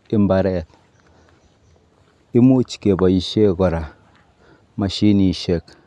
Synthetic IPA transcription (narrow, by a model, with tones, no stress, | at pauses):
i˦m˦ba˨ɾɛ˦˨t̚ | i˦mu˦t͡ʃi̥˨ke˨ba˨ji˨ʃe˦˨ɡɔ˨ɾa˨ | ma˨ʃi˦ni˨ʃe˦˨k